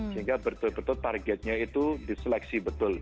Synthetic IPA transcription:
səɦiŋɡabət̪ʊlbət̪ʊt̪arɡɛt̪̚ɲait̪udisəlɛk̚sibət̪ʊl

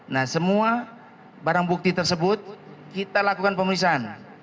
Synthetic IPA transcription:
nahsəmua | baɾaŋbuk̚t̪it̪ərsəbʊt̪̚kit̪alakukanpəmuisaan

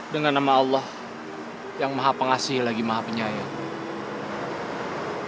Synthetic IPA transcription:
dəŋanːamaːlːɔh | jaŋmaɦapəŋasɪhlaɡimaɦapəɲaja

